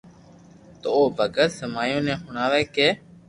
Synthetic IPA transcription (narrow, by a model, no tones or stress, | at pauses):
t̪oːoːbʱəɡət̪səmaːjõːnẽːɦʊɳaːʋeːkeː